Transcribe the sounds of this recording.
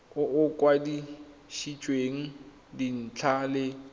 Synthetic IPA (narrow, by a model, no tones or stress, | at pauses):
ʊʊkʼwadiʃit͡ʃʼweŋ̩ | din̩t͡ɬʰalɪ